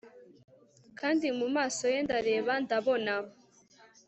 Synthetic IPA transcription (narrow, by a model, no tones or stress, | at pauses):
kʰaːndimumaːso̞je̞ndaɾe̞ːβandaβo̞naho